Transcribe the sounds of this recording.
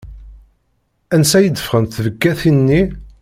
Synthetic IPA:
ænsæjəd̪ːəfʁənθvəɡːæθinːi

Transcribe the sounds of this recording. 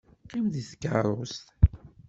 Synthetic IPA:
qːimðiθkə̰rˤʊst̪

